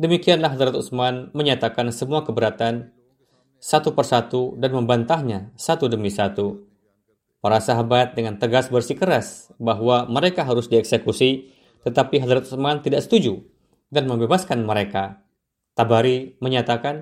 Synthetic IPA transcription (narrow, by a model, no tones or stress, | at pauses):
dəmikianlahɦad̪ɾat̪usmanməɲat̪akansəmuakəbəɾat̪an | sat̪upərsat̪udanməmbant̪ahɲasat̪udəmisat̪u | paɾasaɦabat̪̚dəŋant̪əɡasbərsikəɾasbaɦwaməɾekaɦaɾʊsdiɛksekusi | t̪ət̪apiɦad̪ɾat̪̚usmant̪idaʔsə̥t̪ud͡ʒu | danməmbebaskanməɾeka | t̪abaɾiməɲat̪akan